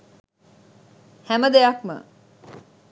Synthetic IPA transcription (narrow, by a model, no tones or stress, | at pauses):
hæməd̪ejɐkmə̰